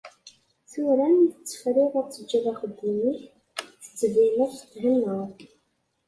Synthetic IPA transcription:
θʊɾæniθət͡sːə̥fɾɪðæt͡sːəd͡ʒːæðæχəd̪ːimiç | θə̥t͡sːvinæt̪ːɦənːəʁ

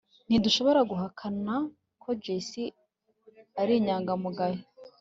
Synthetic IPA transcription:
n̥iduʃo̞βo̞ɾaɡuɦakʰana | kʰo̞d͡ʒesi | aɾiɲaːŋɡamuɡaje

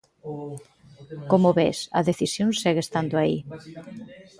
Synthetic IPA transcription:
komoβesɐ̰ðeθisjonsɛɣest̪and̪oaḭ

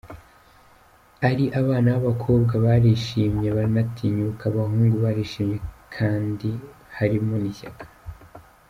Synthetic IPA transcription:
aɾiʔaβaːnaβaβakʰo̞ːbɡaβaɾiʃiːmɲeβaɾnatʰiɲukʰaβaɦuːŋɡuβaɾiʃiːmɲe̞kʰaːndi | haɾimoniçakḁ

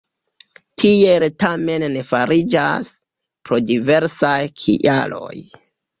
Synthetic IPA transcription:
tʰieltame̞nːe̞faɾid͡ʒa̰s | pɾo̞dive̞ɾsajkʰḭʔa̰lo̞̰j

